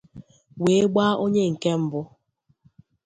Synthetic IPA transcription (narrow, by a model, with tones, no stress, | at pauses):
we˨˦ɡ͡ba˦ʔo˦ɲe˦ŋ̩˨ke˦m̩˦bʊ˦